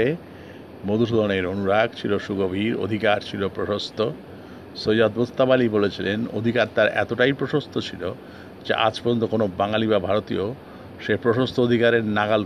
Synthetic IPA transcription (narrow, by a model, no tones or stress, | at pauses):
e | mod̪uʃ̬ud̪ʱoneɾonuɾaɡt͡ɕʰiloʃuɡobʱiɾo̰d̪ʱikaɾt͡ɕʰilopɾoʃost̪ʰo | sod͡ʑad̪bost̪ːabalibolet͡ɕʰileno̰d̪ʱikaɾt̪aɾɛ̰t̪oʈajpɾoʃost̪ʰot͡ɕʰilo | d͡ʑḛʔa̰d͡ʑpoɾont̪okonobaŋaliβabʱaɾot̪io | ʃepɾoʃost̪ʰood̪ʱikaɾeɾnaɡal